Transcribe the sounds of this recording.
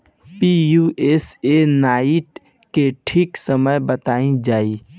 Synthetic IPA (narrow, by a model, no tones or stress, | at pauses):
pijuesenaːiʈ | keʈʰiːksəməjbət̪aːĩd͡ʒaːi